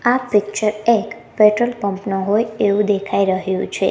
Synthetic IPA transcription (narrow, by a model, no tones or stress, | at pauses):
apɪk̚t͡ʃəɾek | peʈɾəlpə̃mpnoɦojeʋũd̪ekʰaiɾəɦjũt͡ʃʰḛ